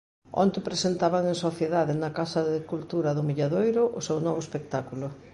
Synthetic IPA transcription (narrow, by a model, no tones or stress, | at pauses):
o̰nt̪ɪpɾesent̪aβaŋẽŋsoθjeðaðɪnɐkasɐðɪkult̪uɾɐðʊmiʎaðojɾʊʔʊsewnɔβ̞ʊespek̚t̪akulʊ